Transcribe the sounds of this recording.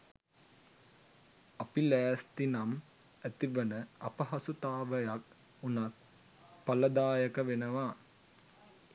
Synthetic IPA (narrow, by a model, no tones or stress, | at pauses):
ɐpilæːst̪inam | æt̪iʋənəɐ̰pɐɦɐsut̪aːʋəjak̚ | unak̚ | pɐlɐd̪aːjəkɐʋenəʋaː